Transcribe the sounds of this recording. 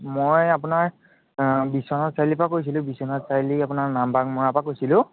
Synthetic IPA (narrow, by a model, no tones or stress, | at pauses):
mojapʊnaɹ | bisɔnɔtsajlipakojs̬ilʊ̃bisɔnɔtsajliapʊnaɹnambakmʊɹapakojsilʊ̃